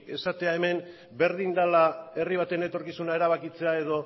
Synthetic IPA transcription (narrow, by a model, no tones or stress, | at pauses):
ke̞sat̪e̞ae̞me̞m | be̞ɾðind̪alae̞riβ̞at̪ene̞t̪o̞ɾkisunae̞ɾaβ̞akit͡se̞ae̞ðo̞